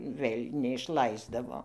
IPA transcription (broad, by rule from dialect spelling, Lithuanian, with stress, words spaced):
ˈʋɘlʲ nʲɛɪʃˈlˠɐɪzdɐʋoː